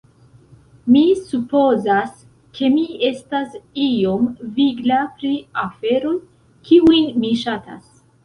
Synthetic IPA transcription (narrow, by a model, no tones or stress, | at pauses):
misupo̞zas | kʰe̞mie̞stasio̞mviɡlapɾiafe̞ɾo̞j | kʰiujnmiʃata̰s